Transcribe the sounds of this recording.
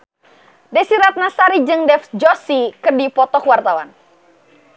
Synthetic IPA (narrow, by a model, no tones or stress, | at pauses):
dɛsiɾat̪̚nasaɾid͡ʒɨŋdɛfd͡ʒɔsikɨrdipɔt̪ɔhwart̪awa̰n